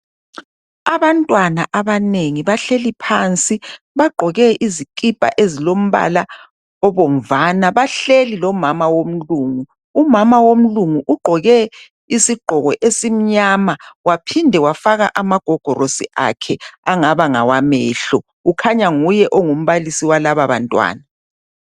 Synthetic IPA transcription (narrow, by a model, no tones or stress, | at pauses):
aβantʼwanaʔaβaneŋiβaɬelipʰaːnt͡sʼi | βaɡ͡ǃʱɔɣɛʔizikʼipʼa̰ʔezilom̩βa̰la | ɔβɔm̩vanaβaɬelilɔmamawom̩luːŋu | umamawom̩luŋuʔuɡ͡ǃʱɔɣɛ | isiɡ͡ǃʱɔɣɔʔesim̩ɲaːmawapʰindʱɛwafaɣa̰ʔamaɡ̥ʱɔɡ̥ʱɔrosiʔa̰kʰɛaŋaβaŋa̰wamɛːɬɔ | ukʰaɲaŋujɛʔɔŋum̩βalisiwalaβaβa̰ntʼwa̰ːna